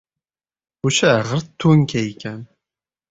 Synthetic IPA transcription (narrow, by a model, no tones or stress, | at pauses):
uʃæʁəɾt̪ʰːunkæjkæn